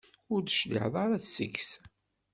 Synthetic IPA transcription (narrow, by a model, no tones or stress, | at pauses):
ʊɾd̪əʃlḭħðˤɑɾasə̰ks